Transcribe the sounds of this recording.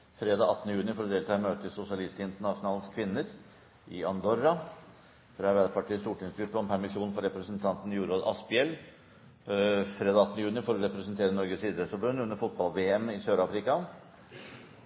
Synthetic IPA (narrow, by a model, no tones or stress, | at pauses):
fɾeːd̪ɑːɑt̪ːnəjʉːnɪfɔɾɔd̪eːlt̪ʰɑːɛmøːt̪əsʊsɪɑlɪst̪əɪnt̪əɳɑʂʊnɑːlskʰʋɪnːəɾ | ʔɪ̰ɑnd̪ɔɾːɑ | fɾɑɾʋæd̪pʰɑʈiːəst̪uːʈʰɪŋsɡʉpːəɔmpʰæɾmɪʂuːnfɔɾɛpɾəsnt̪ʰɑnt̪n̩ɪjuːɾoːd̪ɑ̰spɪɛl | fɾeːd̪ɑːɑt̪ːnəjʉːnɪfɔɾɔɾɛpɾɛsənt̪ʰeːɾənɔɾɡəsiːd̪ɾɛsfɔɾbʉnːʉnːəɾfʊt̪̚bɑlʋeːɛmɪsøːɾɑːfɾɪkɑ